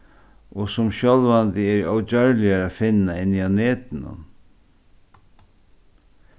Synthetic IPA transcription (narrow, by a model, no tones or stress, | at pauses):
ɔsʊmɕjɔlvant̪ɪɛɾɔwt͡ɕœɹlɪjaɾaːfɪnːaɪnːɪawneːt̪ɪnʊ̰n